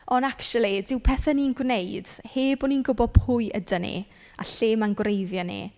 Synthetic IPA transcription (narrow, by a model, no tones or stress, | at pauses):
ɔndakt͡ʃulˠidɪwpʰɛːθɛninɡwnejd̥heːbɔninɡʊbɔpʰʊjədənḭ | a̰ɬeːmanɡwrejðjanḭ